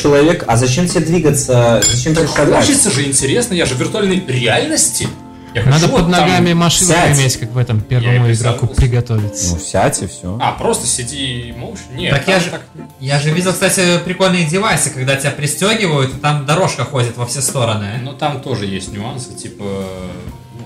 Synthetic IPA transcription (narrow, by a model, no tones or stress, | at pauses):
t͡ɕɪlˠɐvʲekɐzɐt͡ɕemtʲɪed̪vʲiɡət̪səzɐt͡ɕemt̪olʲɐt͡ɕit̪səʐɨɪnʲtʲɪɾʲe̞snəjaʐɨvʲɪrt̪ʊalʲnəjɾʲɪalʲnəsʲtʲɪ | jaxnɐad̪əupəd̪nɐɡamʲɪmɐʂɨɪmʲetʲkakvɛt̪əmpʲervəmʊɪɡɾakʊppɾʲɪɡɐt̪o̞vʲɪt̪sənufsʲatʲɪfsʲoapɾo̞st̪ə̥sʲɪdʲimolˠɕnʲet̪ək̪jaʐɨt̪ak | jaʐɨvʲidʲɪlˠkst̪atʲɪpɾʲɪko̞lʲnɨjədʲɪvajsɨkɐɡd̪atʲɪbʲapɾʲɪsʲtʲoɡʲɪvəjʊt̪ɪt̪amd̪ɐɾo̞ʂkəxo̞dʲɪt̪vɐfsʲest̪o̞ɾənɨnut̪amt̪o̞ʐɨjesʲtʲnʲʊansɨ̥tʲipə | nu